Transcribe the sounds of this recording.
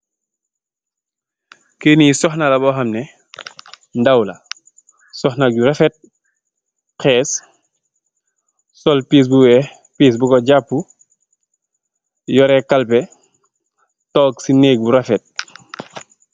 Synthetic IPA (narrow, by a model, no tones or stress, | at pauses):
kenisɔxnalabɔxamnɛ | ndawla | sɔhnaɟuɾafɛt̚ | kɛːs | sɔlpiːs̬buwɛ | piːs̬bukɔɟapːu | jɔɾɛkːalpɛ | tɔːksineːk̚buɾafɛt̚